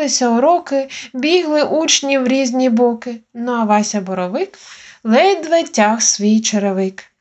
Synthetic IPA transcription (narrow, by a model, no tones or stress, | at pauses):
ɪsʲɐɔɾɔkɪbʲiɦlˠɪʔut͡ʃnʲiwɾʲizʲnʲibɔkɪnɔɐʋɑsʲɐbɔɾɔʋɪklˠɛjd̪ʋɐtʲːaxsʋʲijt͡ʃeɾeʋɪk